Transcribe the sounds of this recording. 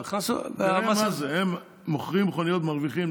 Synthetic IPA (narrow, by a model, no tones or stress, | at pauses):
χasṵamamazehemː | oχʁimχonijot̪maʁviχim